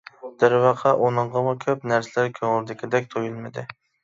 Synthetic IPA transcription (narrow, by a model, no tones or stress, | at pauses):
d̪̥ɪɾwɑqʰɑʔunɨɴʁɑmukʲʰøpnæɾsɪlæɾkʲʰøŋɾd̪ɪkʲɪd̪ɛk̚ʲt̪ʰojulˠmɪd̪ɪ